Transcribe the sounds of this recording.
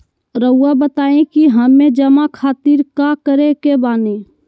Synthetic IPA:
ɾəʊabət̪aːẽkiɦəmẽd͡ʒəmakʰaːt̪iɾkakəɾekebaːnẽ

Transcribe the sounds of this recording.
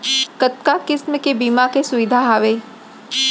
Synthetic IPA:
kət̪̚kakɪsməkebiːmakesʊʋɪd̪ʱaɦaːʋeː

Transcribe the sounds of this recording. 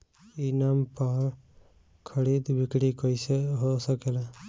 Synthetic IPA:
inampɔɾ | kʰəɽid̪bikɽikɔjseɦosɔkela

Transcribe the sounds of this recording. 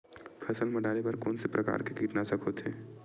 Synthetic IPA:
pʰɐsəlmɐɖaːɾepɐɾkɔ̰ːnsepɾʔɐka̰ːɾkekiːʈnasɐkʰot̪eː

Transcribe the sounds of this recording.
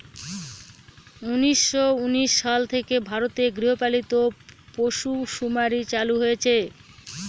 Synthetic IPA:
uniʃːouniʃːalt̪ʰekebʱaɾot̪eɡɾiɦopalit̪opoʃuʃumaɾit͡ɕaluɦojet͡ɕʰe

